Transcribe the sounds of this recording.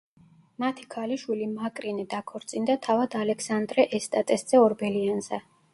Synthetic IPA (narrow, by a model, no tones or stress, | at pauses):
mat̪ʰi̥kʰaliʃwilimakʼɾinɛd̪akʰɔɾt̪sʼind̪at̪ʰavad̪alɛksand̪ɾɛʔɛst̪ʼat̪ʼɛsd̪z̥ɛɔɾbɛlianz̥ɛ